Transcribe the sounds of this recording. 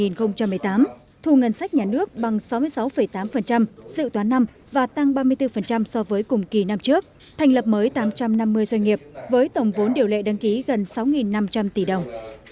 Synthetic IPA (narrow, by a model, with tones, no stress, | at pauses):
i˨˩nxə˧wŋ͡mt͡ɕa˧mː˨˩əjt̪aː˨˦m | t̪ʰu˨˩ŋə˨˩nsa˦˥k̚ɲaː˨˩nɨ˦˥ək̚ɓa˨˩ŋsa˨˦wmɨ˧əsa˨˦wfə˧˩jt̪aː˨˦mfə˨˩nt͡ɕa˧msɨ̰˧˨t̪waː˨˦nːa˧m | vaː˨˩t̪a˧ŋɓaː˧mɨ˧əjt̪ɨ˧fə˨˩nt͡ɕa˧msɔ˧vəː˨˦jkʊ˨˩ŋ͡mki˨˧˩na˧mt͡ɕɨ˦˥ək̚ | t̪ʰɛ˨˩jŋ̟lə˨˩p̚məː˨˦jt̪aː˨˦mt͡ɕa˧mna˧mːɨ˧əjzwjŋ̟ŋi˨˩əp̚vəː˨˦jt̪ə˨˩wŋ͡mvo˨˦nɗi˨˩əwlḛ˧˨ɗa˨˦ŋki˨˦ɣə˨˩nsa˨˦wŋi˨˩nːa˧mt͡ɕa˧mt̪i˧˩ɗə˨˩wŋ͡m